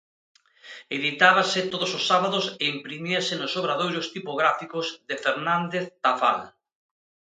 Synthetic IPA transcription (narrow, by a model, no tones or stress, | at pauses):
eðit̪aβ̞asɪt̪oðʊsosːaβaðʊseimpɾimiɐsɪnʊsoβɾaðojɾʊst̪ipoɣɾafikʊzðefeɾnand̪eθt̪afa̰l